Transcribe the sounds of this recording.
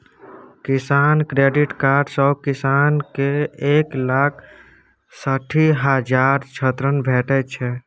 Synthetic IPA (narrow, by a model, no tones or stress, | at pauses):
kɪsaːnkɾeːɖiʈkaːɾɖsɔkɪsankeeːklaːk̚ʰ | səʈʰiɦəd͡ʒaːɾt͡ʃʰət̪ɾənbʱɛːʈɛt͡ʃʰɛ